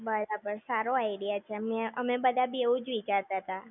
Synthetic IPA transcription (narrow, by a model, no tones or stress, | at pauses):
bəɾabəɾsaɾoaiɽijat͡ʃʰemeəmebəd̪ʱabieũd͡ʒʋit͡ʃaɾt̪at̪a